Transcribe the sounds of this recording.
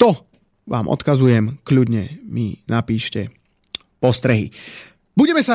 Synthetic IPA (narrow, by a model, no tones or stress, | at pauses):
t̪ɔ | ʋʔa̰ːmʔɔ̰t̪kazujɛmkʎudɲɛminapiːʃcɛ | pɔst̪ɾɛɦḭ | buɟɛmɛsa